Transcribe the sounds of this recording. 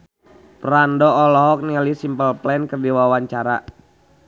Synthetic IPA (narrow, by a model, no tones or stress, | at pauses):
pɾandɔɔlɔɦɔk̚nilisimpəlplɛnkərdiwawaɲt͡ʃaɾa̰